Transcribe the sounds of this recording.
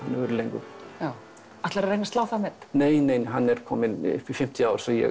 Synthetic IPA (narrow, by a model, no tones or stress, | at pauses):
anːœɣʏɾlejŋkʏjaːw | at̪laɾaɾejnast̪aːwθamɛt̪neːjneːjnɦanːɛɾ̥kʰɔːmɪn̰ɪ̥fɪm̥t̪ʰiaːwɾ̥sɔjɛ̰